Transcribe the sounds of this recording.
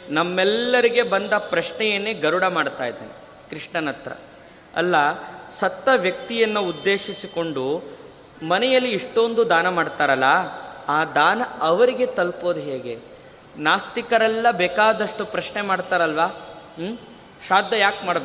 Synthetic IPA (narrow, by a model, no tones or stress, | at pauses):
nɐmːɛlːɐɾiɡe̞bɐnd̪ɐpɾɐʂɳɛjɐnːeːɡɐɾuɽɐmaːɽt̪aːjid̪ḛːne | kɾiʂɳɐnɐt̪ɾɐ̰ | ɐ̰lːɐsɐt̪ːɐʋjɐk̚t̪ijɐnːuud̪ːe̞ːʃisiko̞ɳɖu | mɐnɛjɐlːiːʂʈo̞nd̪ud̪aːnɐmaːɖt̪aːɾɐlːɐaːd̪aːnɐɐʋɐɾiɡe̞t̪ɐlpo̞ːd̪uɦe̞ːɡe̞ | naːst̪ikɐɾɛlːɐbɛːkaːd̪ɐʂʈupɾɐʃnemaːɽt̪aːɾɐlʋaː | ʃaːd̪ʱːɐjaːkmaːɽbe